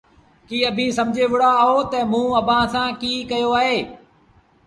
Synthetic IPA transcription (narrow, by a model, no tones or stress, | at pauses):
kiːəbʱĩːsɐmd͡ʒʱeːʋʊɽ̤aɦot̪əmũːɐbʱãːsãːkiːkɐjoaːɦeː